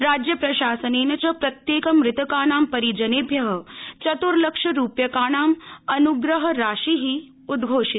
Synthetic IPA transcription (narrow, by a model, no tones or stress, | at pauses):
ɾaːd͡ʒjɐpɾɐʃaːsɐneːnɐt͡ʃɐpɾɐt̪jeːkɐmɾɪt̪ɐkaːɳaːmpɐɾid͡ʒɐneːbʱjɐɦɐt͡ʃɐt̪uɾlɐkʂɐɾuːpjɐkaːɳaːmɐnuɡɾɐɦɐ̆ɾaːʃiɦi | ud̪ɡʱoːʂi